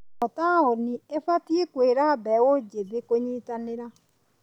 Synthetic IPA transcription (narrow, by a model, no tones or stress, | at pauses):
ɔtaoniefatiikweːɾabɛwod͡ʒeðekoɲitanɪɾa